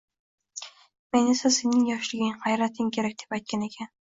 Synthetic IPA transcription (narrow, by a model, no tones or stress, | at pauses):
me̞nesasenɪŋjɒʃlɪɡʲɪŋhajɾat̪ʰɪmkʲʰe̞ɾak̚ʲd̪epajt̪̚kʲane̞kʲʰan